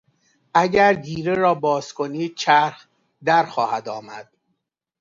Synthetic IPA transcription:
ʔæɟæɾd̪iːɾeɾɒːbɒːzkʰo̞niːd̪̥̚t͡ʃʰæɾx | d̪æɾxɒːhæd̪ɒːmæd̪̥̚

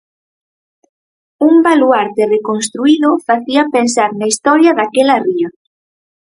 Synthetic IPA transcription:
umbaluaɾt̪erekonst̪ɾuiðʊfaθiɐpensaɾnaist̪ɔɾjɐðakɛlɐriɐ

